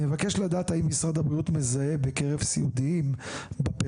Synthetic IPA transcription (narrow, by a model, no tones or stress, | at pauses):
evake̞ʃladaːt̪aimːisʁad̪habʁiut̪me̞zae̞bekeʁevsḭud̪iimbape